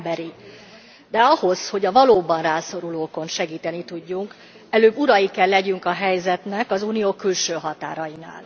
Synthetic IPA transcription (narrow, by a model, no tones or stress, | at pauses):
bɛɾi | d̪ɛɒho̞sho̞ɟɒvɒloːbɒnraːso̞ɾuloːko̞nʃɛɡiːt̪ɛnit̪uɟːuŋk | ɛløːbuɾɒjikɛlːɛɟyŋkɒɦɛjzɛt̪nɛkɒzuːnijoːkylʃøːɦɒt̪a̰ːɾɒjina̰ːl